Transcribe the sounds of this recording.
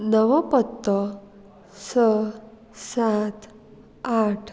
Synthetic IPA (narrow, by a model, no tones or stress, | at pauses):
nəʋəpət̪ːə | sə | sat̪ | aʈʰ